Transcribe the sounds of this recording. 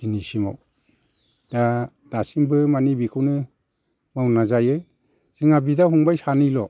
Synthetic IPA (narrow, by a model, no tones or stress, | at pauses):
inisima̰w | d̥a | d̥asimbɯmanibikʰɯwnɯ | mawnazajɯ | z̥iŋabidaɦuŋbajsanɯjlɔ